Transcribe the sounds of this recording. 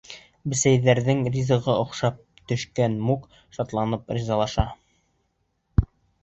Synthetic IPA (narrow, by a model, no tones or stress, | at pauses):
bɘ̆sæjðæɾðɘŋrʲizɤ̆ʁɤŏqʃɑp̚ | t̪ɵ̆ʃkænmuk | ʃɑt̪lˠɑnɤpɾʲizɑlˠɑʃɑ